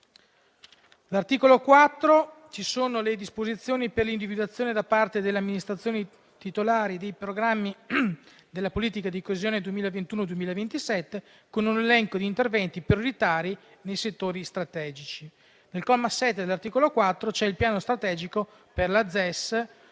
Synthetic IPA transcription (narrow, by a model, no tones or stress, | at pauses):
lart̪iːkolokwat̪ːɾo | t͡ʃisoːnoled̪ispozit̪sːjoːniperlind̪ivid̪uwat̪sːjoːned̪apart̪ed̪elːeamːinist̪ɾat̪sːjoːni | t̪it̪olaːɾid̪ejpɾoɡɾamːi | d̪elːapoliːt̪ikad̪ikoezjoːned̪uemiːlavent̪uːnod̪uwemiːlavent̪isɛt̪ːe | konunelɛŋkod̪iːnt̪ervɛnt̪ipɾjoɾit̪aːɾi | nejset̪ːoːɾist̪ɾat̪ɛːd͡ʒit͡ʃi | nelkɔlmasːɛt̪ːed̪elart̪iːkolokwat̪ːɾot͡ʃɛilpjaːnost̪ɾat̪ɛːd͡ʒiko | perlad̪zːɛs